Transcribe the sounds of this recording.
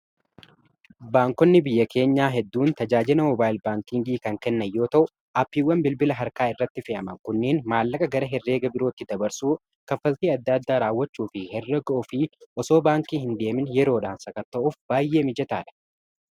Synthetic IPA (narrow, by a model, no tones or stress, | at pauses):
baːŋkɔnːɪbɪjːɐkʰe̞ːɲːaːɦɛd̪ːuːnt̪ɐd͡ʒaːd͡ʒɪlɐmɔbaːjlbaːŋkɪŋɡiːkɐŋkɛnːɐnjːo̞ːt̪ɐʔʊ | ʔɐpːiːwːɐnbɪlbɪlɐɦɐɾkaːɪrːɐt̪ːɪfɪʔɐmɐŋkʊnːeːnmaːlːɐkʼɐɡɐɾɐɦɛrːe̞ːɡɐbɪɾoːt̪ːɪd̪ɐbɐɾsuː | kɐfːɐlt̪iːɐd̪ːɐd̪ːaːɾaːwːɐt͡ʃːuːfɪhɛrːɐɡɔʔʊfɪʔɔso̞ːbaːŋkiːhɪnd̪e̞ːmɪnjɛɾo̞ːᶑaːnsɐkɐt̪ːɐʔufbaːjʔːe̞ːmɪd͡ʒɛt̪aːᶑɐ̥